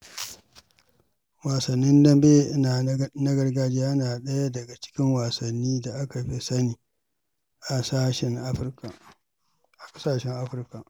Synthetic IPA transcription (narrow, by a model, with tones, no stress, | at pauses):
waː˨sɐ˨nːɪ˦ndɐ˦mbe˦ʔɪ˦na˨nɐ˦ɡɐ˦rɡaː˦d͡ʒiː˦ja˦naː˨ɗɐ˦ja˦dɐ˨ɡa˨t͡ʃɪ̥˦kʲɪ˦ŋwa˨sɐ˨nːiː˦da˨ʔa˦ka˨ɸe˦sɐ˦niː˨ | ʔa˨saː˦ʃɛ˦ŋ˦ɸrka˨ | ʔa˨kʼɐ˦saː˨ʃɛ˦ŋʔa˦ɸɪ˨˦rka˨ʔ